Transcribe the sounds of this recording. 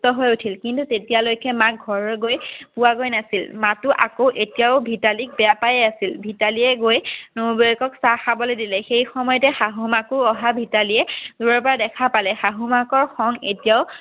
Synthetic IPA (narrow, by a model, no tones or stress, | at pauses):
tɔɦojutʰilkintutetijalojkɛmak̚ɡʱɔɹɔɡojpʊwaɡojnasilmatʊʔakowʔetijaʊbʱitalik̚bɛjapajɛasilbʱitaliɛɡojnobojkɔksaxabɔlodilɛxejxɔmɔjɔtɛxaɦumakʊɹɔɦabʱitaliɛzuɹɔɹpɔɹadɛkʰapalɛxaɦumakɔɹxɔŋetijaʊ